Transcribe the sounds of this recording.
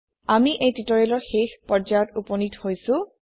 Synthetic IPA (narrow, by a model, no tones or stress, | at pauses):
amiʔejtitɔɹelɔɹxexpɔɹd͡ʒajɔtupɔnithojsʊ̃